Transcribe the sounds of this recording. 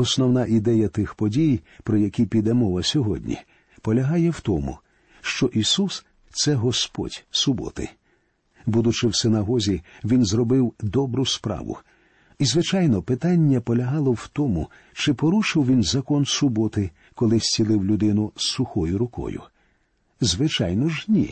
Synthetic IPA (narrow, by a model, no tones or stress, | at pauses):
ɔsnɔwnɑʔid̪ɛjɐt̪ɪxpɔdʲijpɾɔjɐkʲipʲid̪ɛmɔʋɐsʲɔɦɔdʲnʲḭ | pɔlʲɐɦɑjɛwt̪ɔmʊ̰ | ʃt͡ʃɔʔisus | t̪sɛɦɔspɔ̰dʲsʊbɔ̰t̪ɪ̰ | bud̪ʊt͡ʃɪwsɪnɐɦɔzʲiʋʲinzrɔbɪwd̪ɔbɾʊspɾɑ̰ʋʊ̰ | izʋɪt͡ʃɑjnɔpɪt̪ɑnʲːɐpɔlʲɐɦɑlˠɔwt̪ɔmʊ | t͡ʃɪpɔɾuʃɪwʋʲinzɐkɔnsʊbɔt̪ɪ | kɔlˠɪsʲt͡sʲilˠɪwlʲʊd̪ɪnʊssʊxɔjʊɾʊkɔ̰jʊ̰ | zʋɪt͡ʃɑ̰jnɔʒnʲḭ